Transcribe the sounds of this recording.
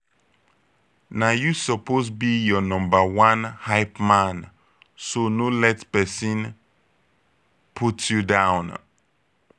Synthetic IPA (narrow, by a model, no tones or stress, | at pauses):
najusɔpʰosbijɔnɔ̃mbəwãnhaɪpmãn | sonũlɛtpɛsĩn | pʰutʰjudãʊ̃n